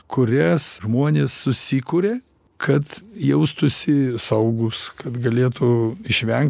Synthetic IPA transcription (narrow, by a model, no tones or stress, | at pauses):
kʊɾʲɛsʒmuɔnʲeːsːʊsʲikʊɾʲeː | kʰɐt̪jɛʊst̪ʊsʲɪsɐʊɡʊskɐt̪ɡɐlʲeːt̪ʊɪʃʲʋʲɛŋk̚